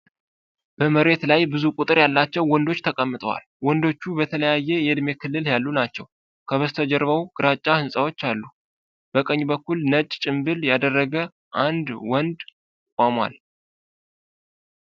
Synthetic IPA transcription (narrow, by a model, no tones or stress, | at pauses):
b̥əməɾe̞t̪lajbɨzukʼut̪ʼɨɾjalːat͡ʃːɛwːɔnd̪o̞t͡ʃːt̪ʰəkʼəmːɨt̪ʼəwa̰l | wɔnd̪o̞t͡ʃːubət̪ʰələjajːɛjɛɨd̪me̞kʰɨlːɨljalːunat͡ʃːɛw | kʰəβəst̪ʰəd͡ʒɛɾβəwɡ̥ɨɾat͡ʃʼːahɨnsʼawo̞t͡ʃːalːu | b̥əkʼəɲːbəkːulnət͡ʃʼːt͡ʃʼɪmbɨljad̪ərːəɡə | ʔand̪wɔnd̪ | kʷʼamwa̰l